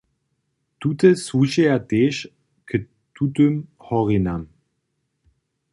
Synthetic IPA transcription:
tutəsvuʃeadeʃ | kʰə | tʰutømhɔʁinam

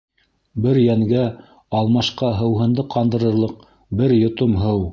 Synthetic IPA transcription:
bɘɾjæŋɡæ | ɑlˠmɑʃqɑɦɤ̆wɦɤ̆nd̪ɤqɑnd̪ɤ̆ɾɤ̆ɾlˠɤq̚ | bɘɾjŏt̪omɦɤw

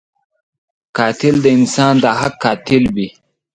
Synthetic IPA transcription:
kɑːt̪ɪld̪əɪnsɑːnd̪aɦakːɑːt̪ɪlbi

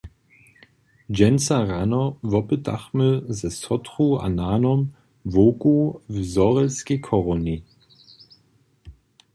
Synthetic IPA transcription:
d͡ʒɛnsaʁanɔvɔpəta̰χməzɛsɔtʁua̰naːnɔm | voːkuvzɔʁɛlskekʰɔʁɔni

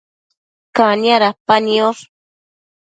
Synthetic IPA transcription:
kaniaɾapanioɾ

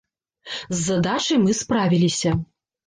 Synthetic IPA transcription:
zːɐd̪at͡ʂɐjmɨspɾavʲilʲisʲɐ

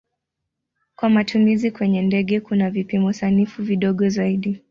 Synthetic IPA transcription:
kwamatʰumizikwɛɲɛndɛɠɛkunavipimɔusanifuviɗɔɠɔzaiɗi

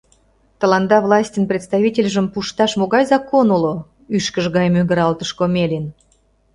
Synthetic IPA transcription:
t̪əlɑnd̪ɑvlˠɑsʲtʲənprʲet̪st̪ɑvʲitʲelʲʒə̆mpuʃt̪ɑʃmoɣɑjzɑkonulo | yʃkəʒɣɑjmøɡə̆ɾɑlt̪əʃkomʲelʲin

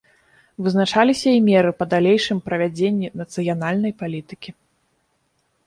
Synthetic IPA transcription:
vɨznat͡ʂalʲisʲɐimʲɛɾɨpɐd̪alʲejʂɨmpɾɐvʲad͡zʲenʲːinɐt̪sɨjanalʲnɐjpalʲit̪ɨkʲi

